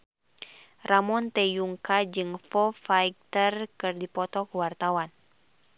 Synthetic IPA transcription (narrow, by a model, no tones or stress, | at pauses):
ramɔnt̪ɛjuŋkad͡ʒɨŋfɔfaik̚t̪ərkɨrdipɔt̪ɔkuwart̪awan